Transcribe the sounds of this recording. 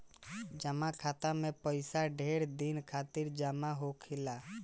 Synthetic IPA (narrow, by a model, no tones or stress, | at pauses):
d͡ʒəmakʰat̪amẽpəɪsaɖʱeɾd̪inkʰat̪iɾd͡ʒəmaɦokʰɪla